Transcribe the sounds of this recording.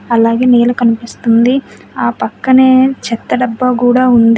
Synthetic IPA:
ɐlaːɡe̞ːneːlukɐnipist̪und̪i | aːpɐkːɐneːt͡ʃɛt̪ːɐɖɐbːɐkuːɽaːund̪i

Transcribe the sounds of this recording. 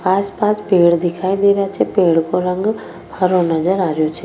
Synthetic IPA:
aːspaːspeːɽd̪ɪkʰaːid̪eːɾjat͡ʃʰepeːɽkoɾə̃ŋɡ | hɐɾõnɐd͡ʒəɾaːɾijot͡ʃʰeː

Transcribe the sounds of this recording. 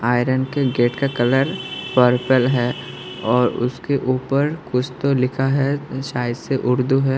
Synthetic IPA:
aːɪɾənkeɡeːʈkakɐləɾpəɾpəlɦɛː | ɔːɾʊ̰skeʔuːpəɾkʊt͡ʃʰt̪olɪkʰaɦɛʃaːjəd̪seʔʊɾd̪uɦɛː

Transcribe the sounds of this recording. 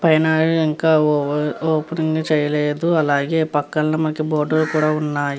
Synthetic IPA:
pɐjnaːiŋkaːoːpɐnɐŋɡaːt͡ʃɛːjɐleːd̪uɐlaːɡeːpɐkːɐlnɐmɐnɐkiboːɖɐɾukuːɽaːunːaː

